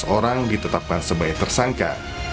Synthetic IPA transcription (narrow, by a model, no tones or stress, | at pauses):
oɾaŋdit̪ət̪ap̚kansəbajk̚t̪ərsaŋka̰